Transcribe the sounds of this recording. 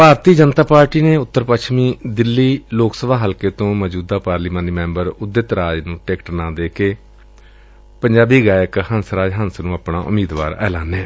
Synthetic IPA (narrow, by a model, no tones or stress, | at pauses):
paːɾt̪iːd͡ʒənt̪aːpaːɾʈiːneːʊt̪ːəɾpəkʃmiːd̪ɪlːiːloːksəbaːɦəlkeːt̪õːməd͡ʒuːd̪aːpaːɾliːmãːniːmɛ̃ːmbəɾʊd̪ɪt̪ɾaːd͡ʒnũːʈeːkʈnãːd̪eːkeː | pəɲd͡ʒaːbiːɡaːjəkhənsɾaːd͡ʒɦənsnũːaːpna̰ːʔʊ̰miːd̪ʋa̰ːɾɛ̰ːlaːneː